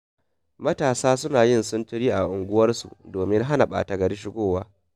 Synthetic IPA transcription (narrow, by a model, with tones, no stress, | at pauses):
mɐ˦taː˨saː˦sʊ˦naː˨jɪ˦nsʊ˦ntʊ˦ɽiː˦ʔa˨ʔʊ˨ŋɡʷʊ˦wɐ˦rsṵ˨doː˨mɪ˦ŋɦa˦na˨ɓa̰ː˨ta˨ɡɐ˨ɽɪ˦ʃ̬ɪ˦ɡʷoː˦˨waː˦